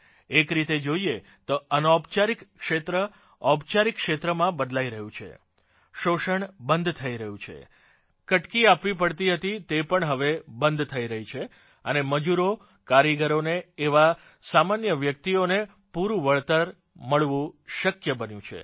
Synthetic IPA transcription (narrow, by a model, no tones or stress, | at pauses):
ekɾit̪ed͡ʒoie | t̪oənɔbt͡ʃaɾikːʃet̪ɾə | ɔbt͡ʃaɾikːʃet̪ɾəmãbəd̪laiɾəɦũt͡ʃʰḛ | ʃoʃəɳbənd̪t̪ʰəiɾəɦũt͡ʃʰḛ | kəʈkiapʋipəɽt̪iɦət̪it̪epəɳɦəʋebənd̪ʱt̪ʰəiɾəɦit͡ʃʰe | əneməd͡ʒuɾo | kaɾiɡəɾoneːʋa | samanjəʋjək̚t̪ione | puɾũʋəɭt̪əɾ | məɭʋũʃəkjəbənjũt͡ʃʰḛ